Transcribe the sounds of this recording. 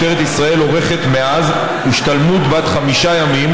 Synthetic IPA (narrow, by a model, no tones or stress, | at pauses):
teʁet̪isʁae̞lo̞ʁe̞χe̞t̪me̞az | iʃt̪almud̪bat̪χamiʃajamim